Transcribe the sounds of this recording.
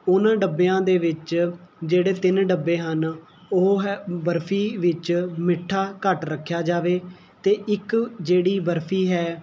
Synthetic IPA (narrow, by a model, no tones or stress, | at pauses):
ʊnãːɖəbːejãːd̪eːʋɪt͡ʃd͡ʒeːɽeːt̪ɪnɖəbːeːɦən | oɦɦɛːbəɾpʰiːʋɪt͡ʃmɪʈʰːaːkəʈɾəkʰːjaːd͡ʒaːʋeː | t̪eːʔɪkd͡ʒeːɽiːbəɾpʰiːɦɛː